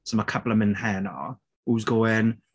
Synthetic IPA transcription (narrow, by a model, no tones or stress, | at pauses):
sɔməkʰəblˠəmɪnhɛːnɔ̰ | uːzɡoːɪn